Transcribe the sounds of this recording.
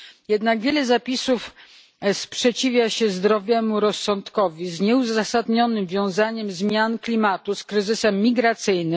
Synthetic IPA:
jɛd̪naɡvʲjɛlɛzapʲisuf | spʂɛt͡ɕivʲjaɕɛzd̪ɾɔvʲjɛmuɾɔsːɔnt̪kɔvʲizɲɛuzasad̪ɲɔnɘmvʲjɔ̃w̃zaɲɛmzmʲjanklʲimat̪uskɾɘzɘsɛmːʲiɡɾat̪sɘjnɘm

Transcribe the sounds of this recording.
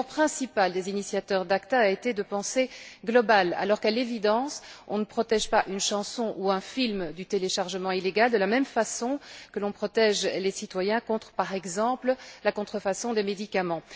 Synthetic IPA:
ʁpχɛ̃sipald̪ezinisjat̪œʁd̪akt̪aːet̪ed̪əpɑ̃seɡlɔbala̰lɔʁkalevid̪ɑ̃sɔ̰̃nəpχɔt̪ɛʒpaʔynʃɑ̃sɔ̃ʔuɛ̃filmd̪yt̪eleʃaʁʒəmɑ̃ileɡald̪əlamɛmfasɔ̃kəlɔ̃pχɔt̪ɛʒlesit̪wajɛ̃kɔ̃t̪χə̥paʁɛɡzɑ̃pləlakɔ̃t̪χəfasɔ̃d̪emed̪ikamɑ̃

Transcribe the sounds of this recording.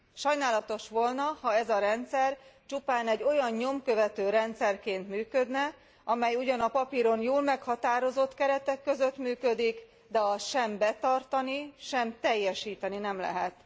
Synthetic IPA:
ʃɒjnaːlɒt̪o̞ʃʋo̞lnɒhɒɛzɒɾɛnt̪sɛrt͡ʃupaːnɛɟːo̞jɒnɲo̞mkø̞vɛt̪øːɾɛnt̪sɛrkeːnt̪myːkø̞d̪nɛ | ʔɒmɛjuɟɒnɒpɒpiɾo̞njoːlmɛkhɒt̪aːɾo̞zo̞t̪kɛɾɛt̪ɛkːø̞zø̞t̪myːkø̞d̪ik | d̪ɛɦɒʃɛmbɛt̪ɒrt̪ɒniʃɛmt̪ɛjːɛʃiːt̪ɛninɛmlɛ̰ɦɛt̪

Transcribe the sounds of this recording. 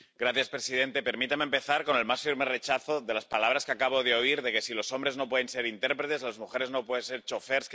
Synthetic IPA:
ɡɾaθjaspɾe̞sið̞e̞nt̪e̞pe̞ɾmit̪amẽmpe̞θaɾko̞ne̞lmasfiɾme̞re̞t͡ʃaθo̞ðe̞laspalaβ̞ɾaskeakaβ̞o̞ð̞eo̞iɾðe̞ke̞silo̞so̞mbɾe̞zno̞p̬we̞ðe̞nse̞ɾint̪eɾpɾet̪e̞zlazmuxe̞ɾe̞zno̞pwe̞ðense̞ɾt͡ʃo̞fe̞ɾsk

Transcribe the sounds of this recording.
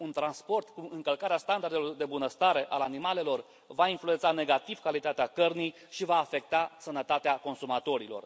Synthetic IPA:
unt̪ɾanspo̞rt̪kuɨŋkəlkaɾeast̪and̪aɾrd̪e̞lo̞rd̪e̞bunəst̪aɾe̞ʔalanimale̞lo̞r | vainflue̞nt̪sane̞ɡat̪iv̥kalit̪at̪eakərnij | ʃivaːfe̞k̚t̪asənət̪at̪eako̞nsumat̪o̞ɾilo̞̰r

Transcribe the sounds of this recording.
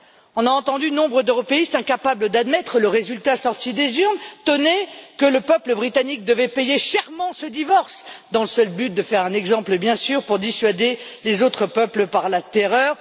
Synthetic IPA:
ɔ̃naɑ̃t̪ɑ̃d̪ynɔ̃bʁəd̪øʁɔpeist̪ɛ̃kapabləd̪ad̪mɛt̪χələʁezylt̪asɔʁt̪id̪ezyʁnt̪ɔnekələpœpləbʁit̪anik̚d̪əvɛpejeʃɛʁmɑ̃səd̪ivɔʁsd̪ɑ̃ləsœlbyt̪̚d̪əfɛʁɛ̃nɛɡzɑ̃pləbjɛ̃syʁpuʁd̪isɥad̪elezot̪χəpœpləpaʁlat̪eʁœːʁ

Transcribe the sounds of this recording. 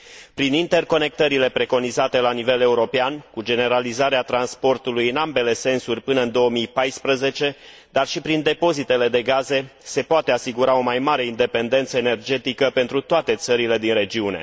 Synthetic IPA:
pɾinint̪e̞rko̞ne̞k̚t̪əɾile̞pɾe̞ko̞nizat̪e̞lanive̞le̞uɾo̞peankud͡ʒe̞ne̞ɾalizaɾeat̪ɾanspo̞rt̪ulujɨnambe̞le̞se̞nsurʲpɨnəɨnd̪o̞wəmijpajspɾəze̞t͡ʃe̞ | d̪arʃipɾind̪e̞po̞zit̪e̞le̞d̪e̞ɡaze̞se̞poat̪e̞asiɡuɾao̞majmaɾe̞ind̪e̞pe̞nd̪e̞nt̪səene̞rd͡ʒe̞t̪ikəpe̞nt̪ɾut̪oat̪e̞t̪səɾile̞d̪inre̞d͡ʒiune̞̰

